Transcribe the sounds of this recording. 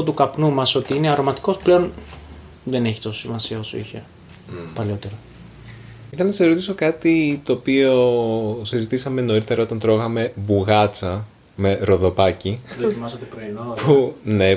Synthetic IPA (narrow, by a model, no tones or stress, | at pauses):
ot̪ukɐpnumɐso̞t̪iineɐɾo̞mɐt̪i̥ko̞sple̞o̞n | ðe̞ne̞çit̪o̞so̥simɐsiɐo̞so̰ḭçe̞̰ | pɐleo̞t̪eɾo | iθɐnɐseɾot̪iso̞kɐt̪it̪o̞ːpio̞sizit̪isɐme̞no̞ɾit̪e̞ɾɐo̞t̪ɐnt̪ɾo̞ɣɐme̞buɣɐt͡sɐ | me̞ɾo̞ðo̞pɐciðkimɐsɐt̪epɾoinopune̞